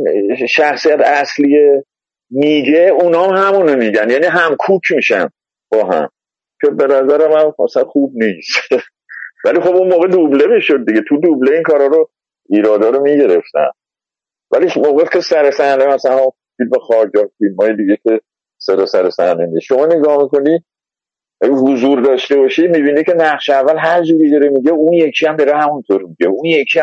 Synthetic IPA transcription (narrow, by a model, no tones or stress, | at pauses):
nʃæxsijæt̪ʰæslie | miːɟe̞unɒːmhæmunomiːɟænjæːniːɦæmkʰuːkʰmiːʃæn | b̥ɒːɦæ̰m | kʰe̞be̞næzæɾemænæsænxuːb̚niːst̪ | vælixobunmoːɣe̞d̪uble̞miːʃod̪̚ːiɡet̪ʰud̪ubleiːŋkʰɒːɾhɒːɾo | iːɾɒːd̪ɒːɾomiːɟe̞ɾe̞ft̪æ̰n | vælimoːɣefkʰʲe̞sæɾe̞sænemæsælænu | filmexɒːɾjɒfilmhɒːjed̪iɡe̞kʰe̞ | sed̪ɒːsæɾe̞sænenisʃo̞mɒːneɡɒːhmiko̞ni | ɦozuɾd̪ɒːʃt̪e̞bɒːʃimiːbiːnicʰe̞næχʃeævːælɦæɾd͡ʒuːɾid̪ɒɾemiɟeunje̞kʰiæmd̪eɾehæmunt̪ʰoɾmiɟeunjekʰiæ